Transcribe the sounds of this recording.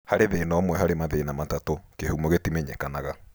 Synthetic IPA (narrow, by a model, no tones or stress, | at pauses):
haɾeðeːnɔmwɛɦaɾemaðenamatatokehumoɣetimeɲekanaɣa